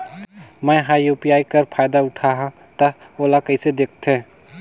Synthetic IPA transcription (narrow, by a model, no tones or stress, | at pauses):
mɛ̃ɦaːjuːpiaːikɐɾpʰaːjd̪aʊʈʰaɦã | t̪ɐ | oːlakɐised̪eːk̚ʰt̪ẽː